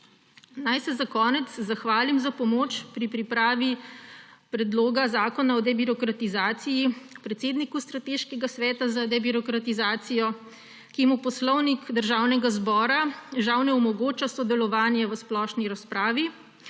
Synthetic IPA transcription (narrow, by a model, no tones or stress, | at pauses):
najsɛzakɔːnɛt̪szaxʋaːlimzapɔmoːt͡ʃpɾipɾipɾaːʋi | pɾɛd̪loːɡazaːkɔnaɔd̪ɛbiɾɔkɾat̪izaːt̪sijipɾɛt̪seːd̪nikust̪ɾat̪eːʃkɛɡasʋɛːt̪azad̪ɛbiɾɔkɾat̪izaːt̪sijɔ | kimupɔslɔwnikd̪əɾʒaːwnɛɡazbɔːɾaʒawnɛɔmɔɡoːt͡ʃasɔd̪ɛlɔʋaːnjɛʋəsplɔːʃniɾaspɾaːʋi